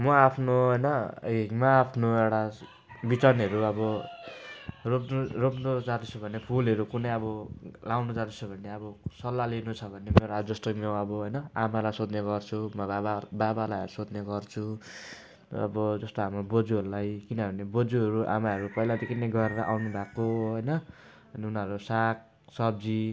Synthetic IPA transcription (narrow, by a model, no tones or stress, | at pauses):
mʌapʰnoɦʌjnʌ̰mʌːpʰnoewɽa | bit͡sʌnɦʌɾuʌbʌ | ropnuropnud͡zat̪ut͡sʰubʱʌnepʰulɦʌɾukunʌjʌbʌlawnud͡zat̪it͡sʰubʱʌneʌbʌsʌlːalinut͡sʰʌbʱʌnemeɾad͡zʌst̪omoʌbʌɦʌjnʌamalajsod̪neɡʌrt͡sʰumʌaababalajɦʌɾusod̪neɡʌrt͡sʰu | ʌ̰bʌd͡zʌst̪oɦamrobod͡zuɦʌɾulajkinʌbʱʌnebod͡zuɦʌɾuʔa̰maɦʌɾupʌilad̪ekʰineɡʱʌɾːʌʔawnubʱakoɦʌjnʌ | ʌniunʌɾusak̚ | sʌb̚d͡zi